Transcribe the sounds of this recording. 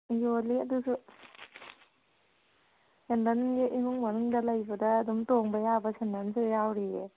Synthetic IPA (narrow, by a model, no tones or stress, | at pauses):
joliɐdusu | sendanjeʔimuŋmanɯŋdɐlajbɐdɐːdumtoŋbɐjabɐsendansujawɾi